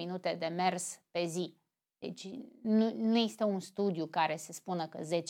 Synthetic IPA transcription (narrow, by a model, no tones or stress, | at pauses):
inut̪e̞d̪e̞me̞rspe̞zi | d̪̥e̞̰t͡ʃʲnunujest̪eunst̪ud̪jukaɾe̞se̞spunəkə̰ze̞t͡ʃ